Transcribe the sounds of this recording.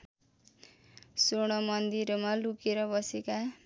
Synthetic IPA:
soɽ̃ʌmʌnd̪iɾmalukeɾʌbʌseka

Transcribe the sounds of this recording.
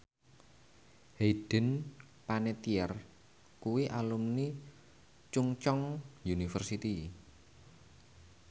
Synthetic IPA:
heɖ̥ə̤n | panet̪iɛr | kuwiʔalumni | t͡ʃuŋt͡ʃɔŋjunifərsit̪i

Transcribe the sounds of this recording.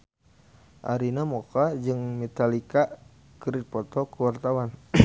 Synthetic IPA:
ʔa̰ɾinamɔkad͡ʒɨŋmɛt̪alika | kəɾit̪̚pɔt̪ɔkuwart̪awan

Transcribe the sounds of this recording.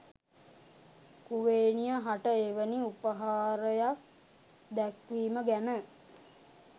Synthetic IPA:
kuʋeːnijəɦaʈəeʋəniupəɦaːɾəjak | d̪ækʋiːməɡænə

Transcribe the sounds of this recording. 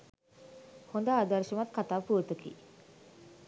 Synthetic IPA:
hond̪aːd̪əɾʃəmat̪kat̪aːpuət̪əkḭ

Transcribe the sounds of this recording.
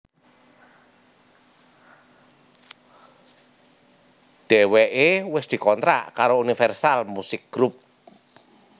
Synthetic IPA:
ɖ̪̥ɛ̤wɛʔewɪsd̪̥i̤kɔnt̪ɾa̰ʔkaɾounifɛrsalmusɪk̚ɡ̥ɾup̚

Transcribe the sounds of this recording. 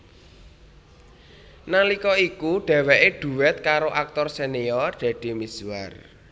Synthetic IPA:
nalikɔikuɖ̥ɛ̤wɛʔeɖ̥ṳwɛt̪̚kaɾoʔak̚t̪ɔrseniɔrɖ̪̥ä̤ɖ̪̥i̤miswa̰r

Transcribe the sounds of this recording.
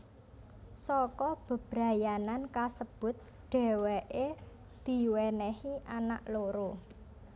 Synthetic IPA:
sɔkɔb̥ə̤b̥ɾa̤janankasəb̥ʊ̤t̪̚ | ɖ̥ɛ̤wɛʔe | d̪̥i̤wɛnɛhiʔana̰ʔloɾo

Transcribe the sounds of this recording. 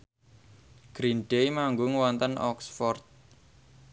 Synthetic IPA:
ɡ̥ɾinɖ̥ejmaŋɡoŋəwɔnt̪ənʔɔ̰ksfɔrt̪̚

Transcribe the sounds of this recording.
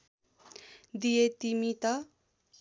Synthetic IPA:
d̪ijet̪imit̪ʌ

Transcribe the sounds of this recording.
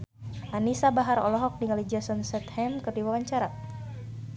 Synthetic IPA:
ʔanisabaɦaɾɔ̰lɔɦɔk̚diŋalid͡ʒasɔnsɛt̪hɛmkɨrdiwawaɲt͡ʃaɾa

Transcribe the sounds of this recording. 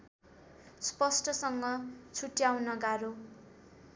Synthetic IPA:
spʌsʈʌsʌŋɡʌt͡sʰuʈjawnʌɡaɾo

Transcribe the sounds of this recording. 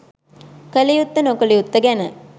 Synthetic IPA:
kəlijut̪ːənokəlijut̪ːəɡænə

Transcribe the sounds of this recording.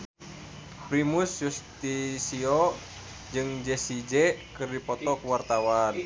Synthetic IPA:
kɾimusjust̪isio | d͡ʒɨŋd͡ʒɛsid͡ʒɛkɨrdipɔt̪ɔkuwart̪awan

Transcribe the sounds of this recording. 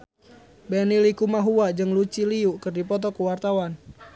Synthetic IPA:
bɛnilikumaɦuad͡ʒɨŋlut͡ʃiliukɨrdipɔt̪̬ɔkuwart̪awan

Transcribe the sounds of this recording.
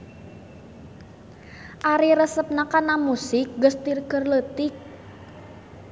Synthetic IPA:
ʔaɾiɾəsəp̚nakanamusɪk̚ɡəst̪irkərlət̪ɪk̚

